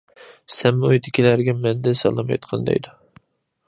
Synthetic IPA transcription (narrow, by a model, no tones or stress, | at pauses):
sɛmːojd̪ʰɪkʲʰilæɾɡʲɛmɛnd̪ɪnsɑ̰lˠɨmɑj̰t̪qʰɑnd̪ɛ̰jd̪u